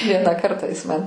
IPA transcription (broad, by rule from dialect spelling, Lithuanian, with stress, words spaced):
ˈʋʲiɛnɑː ˈkɐrtɑː ˈjɪs mɐn